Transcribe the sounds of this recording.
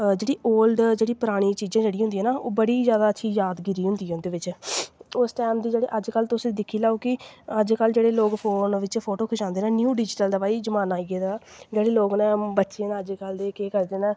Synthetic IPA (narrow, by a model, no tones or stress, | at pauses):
d͡ʒeːɽiːoːlɖd͡ʒeːɽiːpəɾaːɽ̃iːt͡ʃiːzãːd͡ʒeːɽiːɦʊ̃nd̪iːɛːnaːʔoːbəɽiːzjaːd̪aːətːʃʰiːjaːd̪ɡɪɾiːɦʊ̃nd̪iːɦʊ̃nd̪eːʋɪt͡ʃ | ʊsʈɛːmd̪iːd͡ʒeːɽḛːʔəd͡ʒkəlt̪ʊsĩːd̪ɪkʰːiːlaːoːkɪəd͡ʒkəld͡ʒeːɽeːloːɡpʰoːnʋɪt͡ʃpʰoːʈoːkʰʊʃãːnd̪eːnɛ̃ːnjuːɖɪd͡ʒʈəld̪aːpaːiːzəmaːnaːieːd̪aːd͡ʒeːɽeːloːɡnɛ̃ːbətːʃiãːnːəd͡ʒkəld̪eːkeːkəɾd̪eːnɛ̃ː